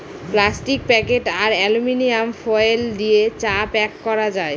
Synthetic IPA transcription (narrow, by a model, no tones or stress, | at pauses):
plasʈik̚pɛkeʈaɾɛluminijamfɔeld̪iet͡ɕapɛkːɔɾad͡ʑae